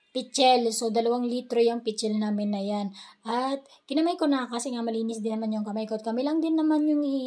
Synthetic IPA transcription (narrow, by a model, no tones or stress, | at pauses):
pɪt͡ʃɛlsod̪ɐlɐwaŋlit̪ɾojɐŋpɪt͡ʃɛlnaːmɪnːɐjanʔɐt̪̚ | kɪnɐmajkonɐkasɛŋamɐliːnɪsd̪ɪnːɐmanjʊŋkɐmajkoɐt̪̚kɐmɪlɐŋd̪ɪnːɐmanjʊŋi